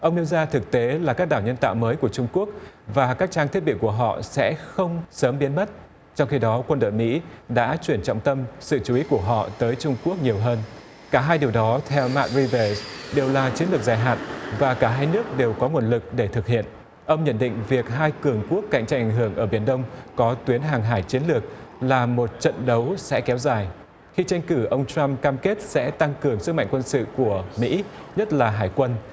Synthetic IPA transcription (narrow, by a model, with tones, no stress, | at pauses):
ʔə˧wŋ͡mɗe˧wzaː˧t̪ʰɨ˨˩k̚t̪e˨˦laː˨˩kaː˦˥k̚ɗaː˧˩wɲə˧nt̪a̰ː˧˨wməː˨˦jku˧˩ət͡ɕʊ˧ŋ͡mku˦˥ək̚vaː˨˩kaː˦˥k̚t͡ɕaː˧ŋt̪ʰi˦˥ət̚ɓḭ˧˨ku˧˩əɦɔ̰˧˨sɛ̰˧˥xə˧wŋ͡msəː˨˦mɓi˨˦ənmə˦˥t̚ | t͡ɕɔ˧wŋ͡mxi˧ɗɔ˨˦kwə˧nɗo̰˧˨jmḭ˧˥ɗa̰ː˧˥t͡ɕwi˧˩ənt͡ɕɔ̰˧˨wŋ͡mt̪ə˧msɨ̰˧˨t͡ɕu˨i˨˦ku˧˩əɦɔ̰˧˨t̪əː˨˦jt͡ɕʊ˧ŋ͡mku˦˥ək̚ɲi˨˩əwɦəː˧n | kaː˧˩ɦaː˧jɗəwɗɔ˨˦t̪ʰɛ˧wma̰ː˧˦˥t̚ɹi˧və˧˩sɗe˨˩wlaː˨˩t͡ɕi˨˦ənlɨ˨˩k̚zaː˨˩jɦa̰ː˧˨nvaː˨˩kaː˧˩ɦaː˧jnɨ˦˥ək̚ɗe˨˩wkɔ˨˦ŋwu˧˩ənlɨ˨˩k̚ɗe˧˩t̪ʰɨ˨˩k̚hḭ˧˨ən | ʔə˧wŋ͡mɲə̰˧˥nɗḭ̈˧˨ŋ̟vi˨˩ək̚ɦaː˧jkɨ˨˩əŋku˦˥əkːa̰˧˨jŋ̟t͡ɕa˧jŋʔa˨˩ŋ̟ɦɨ˧˩əŋʔəː˧˩ɓi˧˩ənɗə˧wŋ͡mkɔ˨˦t̪wi˨˦ənɦaː˨˩ŋɦaː˧˩jt͡ɕi˨˦ənlɨ˨˩ək̚laː˨˩mo˨˩t̚t͡ɕə̰˧˨nɗə˨˦wsɛ̰˧˥kɛ˨˦wzaː˨˩j | xi˧t͡ɕa˧jŋ̟kɨ˧˩ʔə˧wŋ͡mt͡ɕa˧mkaː˧mke˦˥t̚sɛ̰˧˥t̪a˧ŋkɨ˨˩əŋsɨ˦˥k̚ma̰˧˨ŋ̟kwə˧nsɨ̰˧˨ku˧˩əmḭ˧˥ɲə˦˥t̚laː˨˩ɦaː˧˩jkwə˧n